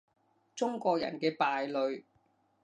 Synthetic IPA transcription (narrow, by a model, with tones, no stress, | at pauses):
t͡sʊ˥ŋkɔː˧k̚jɐ̰˨˩nkɛː˧paː˨˧jlɵ˨ɥ